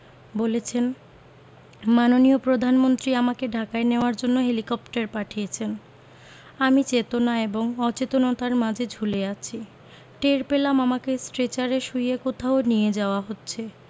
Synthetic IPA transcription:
bolet͡ɕʰen | manoniopɾod̪ʱanmont̪ɾiamakeɖʱakaeneoaɾd͡ʑonːoɦelikɔp̚ʈaɾpaʈʰijet͡ɕʰen | amit͡ɕet̪onaeboŋɔt͡ɕet̪onot̪aɾmad͡ʑʱed͡ʑʱuleat͡ɕʰi | ʈeɾpelamamakesʈɾet͡ɕaɾeʃujekot̪ʰaonijed͡ʑaoaɦotːɕʰe

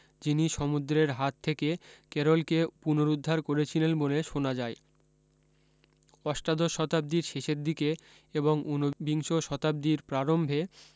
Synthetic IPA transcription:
d͡ʑiniʃɔmud̪ɾeɾɦat̪ʰːekekeɾolkepunoɾud̪ʱːaɾkoɾet͡ɕʰilenboleʃonad͡ʑae | ɔʃʈad̪oʃɔt̪ab̚d̪iɾʃeʃeɾd̪ike | eboŋunobiŋʃoʃɔt̪ab̚d̪iɾpɾaɾombʱe

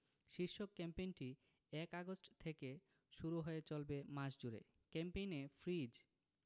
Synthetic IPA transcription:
ʃiɾʃːokːɛmpejnʈi | ɛkaɡosʈt̪ʰeke | ʃuɾuɦoet͡ɕolbemaʃd͡ʑuɾḛ | kɛmpejnefʰɾid͡ʑ

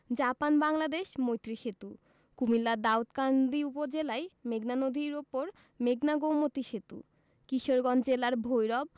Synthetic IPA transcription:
d͡ʑapanbaŋlad̪eʃmojt̪ːɾiʃet̪u | kumilːad̪aot̪kand̪iupod͡ʑelaemeɡnanod̪ʱiɾopoɾ | meɡnaɡowmot̪iʃet̪ṵ | kiʃoɾɡɔnd͡ʑelaɾbʱojɾɔb̚

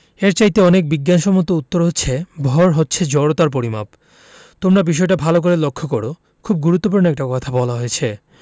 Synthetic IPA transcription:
eɾt͡ɕajt̪eɔnek̚biɡːanʃɔmot̪ːout̪ːoɾɦotːɕʰebʱɔɾɦotːɕʰed͡ʑɔɾot̪aɾp̬oɾima̰p̚ | t̪omɾabiʃ̬ɔeʈabʱalok̬oɾelokʰːokoɾo | kʰub̚ɡuɾut̪ːop̬uɾnoɛk̚ʈakɔt̪ʰabɔlaɦojet͡ɕʰe

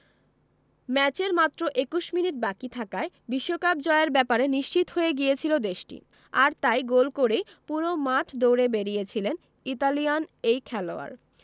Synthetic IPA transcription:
mɛt͡ɕeɾmat̪ːɾoʔekuʃminiʈ̚bakit̪ʰakae | biʃːokap̚d͡ʑɔeeɾbɛpaɾeniʃt͡ɕit̪ɦoeɡiet͡ɕʰilod̪eʃʈḭ | aɾt̪ajɡolkoɾej | puɾomaʈʰd̪owɾebeɾijet͡ɕʰilen | it̪alijanejkʰɛloa̰ɾ

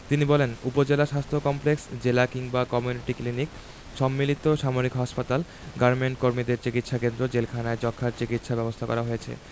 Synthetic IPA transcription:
t̪inibɔlenupod͡ʑelaʃast̪ʰokɔmpleksd͡ʑelakiŋbakɔmjuniʈiklinik | ʃɔmːilit̪oʃamoɾikɦɔʃpat̪al | ɡaɾmeɳʈkoɾmid̪eɾt͡ɕikit̪ʃakend̪ɾod͡ʑelkʰanaed͡ʑɔkʰːaɾt͡ɕikit̪ʃabɛbost̪ʰakɔ̰ɾaɦojet͡ɕʰḛ

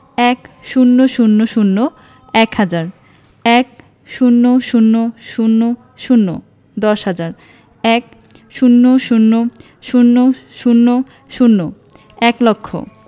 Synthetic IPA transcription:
ɛkʃunːoʃunːoʃunːo | ɛkhad͡ʑaɾ | ɛk | ʃunːoʃunːoʃunːo | ʃunːo | d̪ɔʃhad͡ʑaɾ | ɛk̚ | ʃunːoʃunːo | ʃunːoʃunːo | ʃunːo | ɛklokʰːo̰

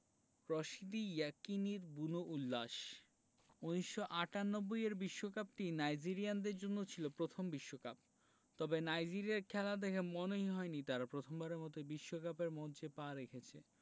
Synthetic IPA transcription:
ɾɔʃid̪ijakiniɾbunoʔulːaʃ | uniʃʃoʔaʈanːobːojeɾbiʃːokap̚ʈinajd͡ʑiɾiand̪eɾd͡ʑonːot͡ɕʰilopɾot̪ʰombiʃːokap̚ | t̪ɔbenajd͡ʑiɾiaɾkʰɛlad̪ɛkʰemɔnoɦiɦɔenit̪aɾapɾot̪ʰombaɾemɔt̪ebiʃːokapeɾmɔd͡ʑepaɾekʰet͡ɕʰḛ

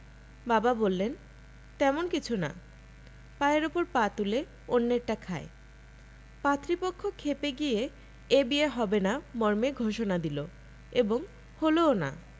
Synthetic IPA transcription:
bababolːen | t̪ɛmonkit͡ɕʰuna̰ | paeɾopoɾpat̪ule | onːeɾʈakʰae | pat̪ɾipokʰːokʰːepeɡie | ebieɦɔbenamɔɾmeɡʱoʃonad̪ilo | eboŋ | holoona̰

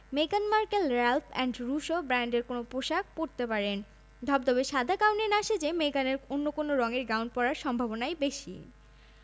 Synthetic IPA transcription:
meɡanmaɾkelɾɛlfʰɛ̰ɳɖɾuʃobɾaɳɖeɾkonopɾoʃak̚poɾt̪epaɾen | d̪ʱɔb̚d̪ɔbeʃad̪ʱakawnenaʃed͡ʑemeɡaneɾonːokonoɾɔŋeɾɡawɳʈ̚pɔɾaɾʃɔmbʱabonaebeʃḭ

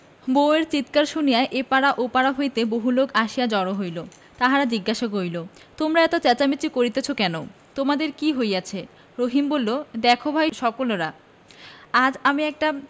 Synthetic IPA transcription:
boeɾt͡ɕit̪kaɾʃunijaeʔepaɽaʔopaɽaɦojt̪eboɦulokaʃijad͡ʑɔɽoɦojlo | t̪aɦaɾad͡ʑiɡːaʃoɡojlo | t̪omɾaɛt̪ot͡ɕɛt͡ɕamit͡ɕikoɾit̪et͡ɕʰokɛno | t̪omad̪eɾkiɦojat͡ɕʰe | ɾoɦimbolːod̪ɛkʰobʱajʃɔkoloɾa | ad͡ʑamiɛk̚ʈa

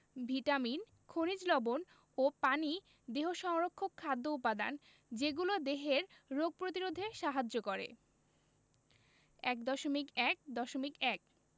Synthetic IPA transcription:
bʱiʈamin | kʰonid͡ʑlɔbon | opani | d̪eɦoʃɔŋɾokʰːokʰːad̪ːoupad̪a̰n | d͡ʑeɡulod̪eɦeɾːoɡ̚pɾot̪iɾod̪ʱeʃaɦad͡ʑokoɾḛ | ɛkd̪ɔʃomikɛk̚d̪ɔʃomikɛk̚

